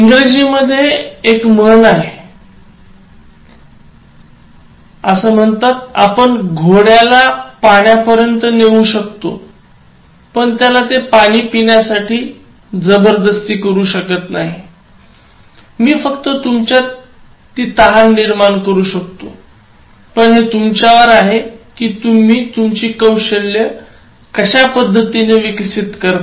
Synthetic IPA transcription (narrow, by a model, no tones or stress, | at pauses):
iŋɡɾed͡ʑiməd̪ʱːjeːkmənaɦe | əsəːm̤əɳt̪at̪a̰pəɳɡʱoɽjalapaɳ̃japəɾjənt̪əneʋuːɕəkt̪o̰ | pəɳt̪jalat̪epaɽ̃iːpiɳjasaʈiː | d͡zəbəɾd̪əst̪iːkəɾuːɕəkət̪naɦi | miːfəkt̪ət̪umt͡ɕjat̪ | t̪ːiːt̪əɦanːiɾmaɳkəɾuːɕəkt̪o | pəɳɦet̪umt͡ɕjaʋəɾaɦekiːt̪um̤iːt̪umt͡ɕiːkəwɕəlːjə | kəɕapəd̪ʱːət̪ineʋiksit̪kəɾt̪